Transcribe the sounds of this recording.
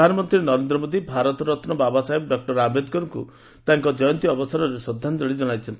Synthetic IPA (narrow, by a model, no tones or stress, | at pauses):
anɔmɔnt̪ɾinɔɾend̪ɾɔmod̪ibʱaɾɔt̪ɔɾɔt̪nɔbabasaibɖɔk̚ʈɔɾabed̪kɔɾkṵ | t̪aŋkɔd͡ʒɔjɔnt̪iɔbɔsɔɾɔɾesɔd̪ʱand͡ʒɔɽid͡ʒɔɽ̃ajt͡ʃʰɔnt̪i